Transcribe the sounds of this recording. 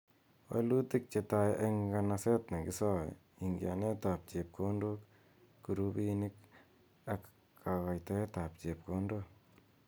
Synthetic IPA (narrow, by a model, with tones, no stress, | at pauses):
wḛ˦lu˦ti˦k̚t͡ʃe˨tajʔe˦ŋɡa˨nase˦tne˨ɡɪ˦sɔ̰˦ | i˨ŋɡja̰˨ne˦ta˨p̚t͡ʃe˨p̚kʰo˦ndu˦kː | u˨ɾu˦bini˦k | akː | kʰa˨ɣa˨jte˦ta˨p̚t͡ʃe˨p̚ko˦ndo˦